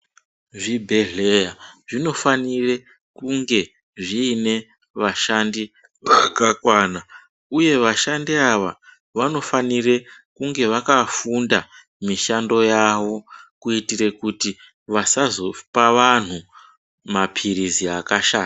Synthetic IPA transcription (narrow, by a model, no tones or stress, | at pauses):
ʐibʱe̞ɮe̞jaʐino̞fanire̞ | kuŋɡe̞ | ʐiːne̞ | ʋaʃandi | ʋakakwaːna | uje̞ʋaʃandiaʋa̰ | ʋano̞fanire̞ | kuŋɡe̞ʋakafunda | miʃando̞jaʋo̞kuitire̞kuti | ʋasazo̞paʋan̤u | mapʰiɾiziakaʃaːa